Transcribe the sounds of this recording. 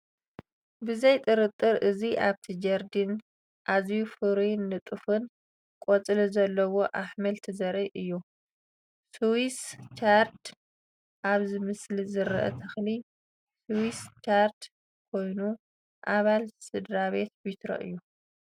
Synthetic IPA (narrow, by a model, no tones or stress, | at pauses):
bɨzɐjt̪ʼɨɾɨt̪ʼːɨɾʔɨziʔaβt̪ʰid͡ʒɐɾd̪in | ʔazjufɨɾinːɨt̪ʼɨfɨn | kʼɔt͡sʼɨlizɐlːɐwo̞ʔaħmɐlt̪ʰizɐɾiʔɨjːu | suwist͡ʃaɾt̪ | ʔaβzɨmɨslizɨɾʔɐ̰t̪ʰɐxli | suwist͡ʃaɾt̪ | kʰo̞jnu | ʔaβalsɨd̪ɾaβe̞t̪bit̪ʰɾo̰ʔɨ̰jːu